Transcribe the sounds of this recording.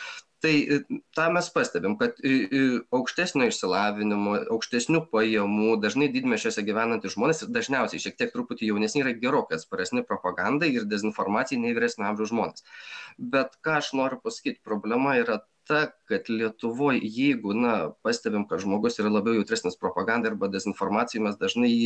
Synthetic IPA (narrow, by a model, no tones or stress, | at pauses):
t̪ɐɪt̪ɑːmʲɛspɑːsʲt̪ʲɛbʲɪmkɐt̪ | ɐʊkʃʲt̪ʲæːsʲnʲoːɪʃʲsʲɪlˠɑːʋʲɪnʲɪmoːɐʊkʃʲt̪ʲɛsʲnʲuːpɐjɛmuːd̪ɐʒʲnɐɪd̪ʲiːd̪ʲmʲɛʃʲt͡ʃʲoːsʲɛɡʲiʋʲæːnɐnt̪ɪʒmoːnʲeːsɪrd̪ɐʒʲnʲɛʊsʲɛɪʃʲiɛkt̪ʲiɛk̚t̪ɾupʊt̪ʲɪjɛʊnʲɛsnʲɪiːɾɐɡʲɛɾoːkʲɛt̪spoːɾʲɛsʲnʲɪpɾoːpɐɡɑnd̪ɐɪɪrd̪ʲɛzʲɪnfoːrmɑːtt͡s̪ʲɪjɛnʲɛɪʋʲiɾʲæːsnʲʊɐmʲʒʲuʊʒmoːnʲeːsbʲɛt̪kɑːɐʃnoːɾʲʊpɐsɐ̥kʲiːt̪ʲpɾoːbʲlʲɛmɐiɾɐt̪ɐkɐt̪lʲiɛt̪ʊʋoːjjɛɪɡʊnɐpɑːsʲt̪ʲɛbʲɪmkɐt̪ʒmoːɡʊsiːɾɐlˠɐbʲɛʊjɛʊt̪ɾʲæːsnʲɛspɾoːpɐɡɑnd̪ɐɐɾbɐd̪ʲɛzʲɪnfoːrmɑːt͡sʲɪjʊmʲɛsd̪ɐʒnɐɪ